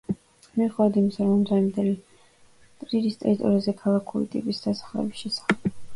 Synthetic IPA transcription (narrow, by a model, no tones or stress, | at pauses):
miχɛvad̪imisaɾɔmɔmd̪zaimd̪ɛli | t̪ʼɾiɾist̪ʼɛ̰ɾit̪ʼɔ̰ɾiazɛkʰalˠakʰulḭt̪ʼḭpʼisd̪̥asḁχlɛ̰bisʃɛsḁχɛb̥